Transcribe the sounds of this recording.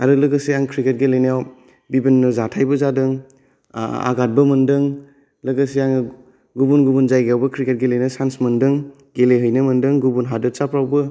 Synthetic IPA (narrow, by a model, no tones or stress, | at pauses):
aɾɯlɐɡɐsiaŋkʰɾiket̚ɡelejnjaw | bibinːɯzatʰajbɐzadɯŋ | a̰ɡat̚bɐmɐndɯŋ | lɐɡɐsiaŋ | ɡubunɡubunzajɡawbɐkʰɾiket̚ɡelejnɐsansmɐndɯŋ | ɡeleɦəjnɐmɐndɯŋɡubunɦadɐtt͡ʃapɾawbɯ